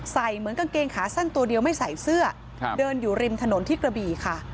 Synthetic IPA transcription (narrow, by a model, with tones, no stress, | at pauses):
sa˨˩jmɯ˩˦ənka˧keː˧ŋkʰaː˩˦sa˥˩nt̪u˧ɐdi˧əwma˥˩jsa˨˩jsɯ˥˩ɐ | dɤː˧njuː˨˩ɾi˧mt̪ʰa˧no˩˦nt̪ʰiː˥˩kɾa˧biː˨˧˩kʰa˥˩